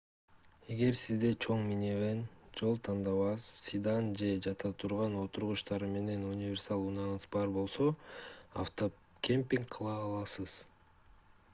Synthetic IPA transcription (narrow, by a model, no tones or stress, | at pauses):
e̞ɡe̞ɾsizd̪e̞t͡ʃʰo̞ɴmineβend͡ʒo̞lˠt̪ʰɑnd̪ɑβɑzsid̪ɑnd͡ʒe̞d͡ʒɑt̪ʰɑt̪ʰuɾʁɑno̞t̪uɾʁuʃt̪ɑɾɯme̞ne̞nunʲivʲe̞rsɑlˠunɑɴɯzbɑɾbo̞lˠso̞a̰ft̪o | kʲempʲiŋkqʰɯlˠɑɑlˠɑsɯz̥